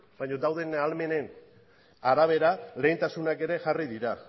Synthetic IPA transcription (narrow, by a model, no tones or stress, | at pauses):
baɲo̞d̪awðe̞nalme̞ne̞n | aɾaβ̞e̞ɾale̞jnt̪asunake̞ɾe̞ʝariðiɾa